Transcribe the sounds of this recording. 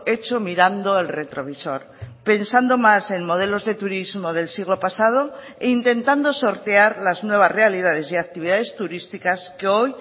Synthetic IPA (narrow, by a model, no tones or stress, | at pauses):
e̞t͡ʃo̞miɾand̪o̞elre̞t̪ɾo̞βiso̞̰ɾ | pe̞nsand̪o̞mase̞nmo̞ð̞e̞lo̞zðe̞t̪uɾizmo̞ð̞e̞lsiɣlopasað̞o̞ | eint̪e̞nt̪and̪oso̞ɾt̪eaɾlaznwe̞β̞asre̞aliðað̞e̞siak̚t̪iβiðaðe̞st̪uɾist̪ikaskeo̞j